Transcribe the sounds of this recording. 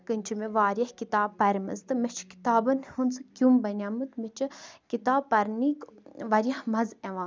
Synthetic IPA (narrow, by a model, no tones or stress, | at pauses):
kɨnʲt͡ʃʰimeʋaːɾʲjɐhkit̪aːbpɐɾʲmɐ̰zt̪ɨmɐt͡ʃʰki̥t̪aːbɐnhunsɨkʲumbɐnʲaːmɨt̪met͡ʃʰɨkit̪aːbpɐɾʲniːkʋɐɾʲjɐhmɐzeʋãː